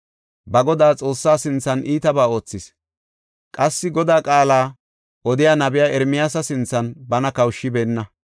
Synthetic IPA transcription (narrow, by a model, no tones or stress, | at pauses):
bɐɡɔd̪aːt͡sʼo̞ːsːaːsɪnt͡sːɐnʔiːt̪ɐbaːo̞ːt͡sːɪs | kʼɐsːɪɡɔd̪aːkʼaːlaː | ʔɔd̪ɪjaːnɐbɪjaːʔɛɾmɪjaːs̬ɐsɪnt͡sːɐnbɐnɐkɐwʃːɪbeːnːɐ